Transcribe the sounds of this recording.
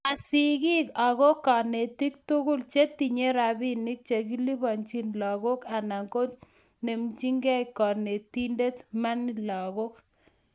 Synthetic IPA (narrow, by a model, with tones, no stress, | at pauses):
a˨si˨ɣi˦ka˨ɣo˦kɔ˨ne˨ti˦k̚tu˦ɣʊ˦lt͡ʃe˦ti˨ɲe˦ɾa˨bi˦ni˦k̚t͡ʃe˨ki˦li˦βɔ˨nt͡ʃi˦nlɔ˨ɣo˦ka˨na˨ŋɡo˦t | ne˨mt͡ʃi˦ŋɡɛ˦jkɔ˨ne˨ti˦nde˦t̪ma˦nilɔ˨ɣo˦k